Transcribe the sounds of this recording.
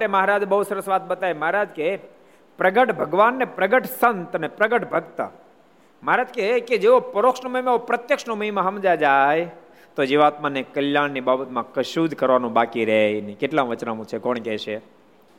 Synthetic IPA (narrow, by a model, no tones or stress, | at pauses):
ʈeməɦaɾad͡ʒbəɦusəɾəsʋat̪̚bət̪ajməɦaɾad͡ʒke | pɾəɡəʈbʱəɡʋanːepɾəɡəʈsənt̪ənepɾəɡəʈbʱəɡt̪ə̰ | məɦaɾad͡ʒkeked͡ʒeʋopəɾokʃnoməɦimãeʋopɾət̪jəkʃnoməɦimãɦəmd͡ʒad͡ʒaj | t̪od͡ʒeʋat̪manekəljannibabət̪mãkəʃud̪ʱkəɾʋanũbakiɾɛinikeʈlãʋət͡ʃnamũt͡ʃʰekɔɳkɛʃe